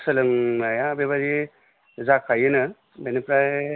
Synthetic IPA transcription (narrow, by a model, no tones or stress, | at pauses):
sɐlɯŋnajabeβaɾi | zakʰajɯnɯ | benepɾaj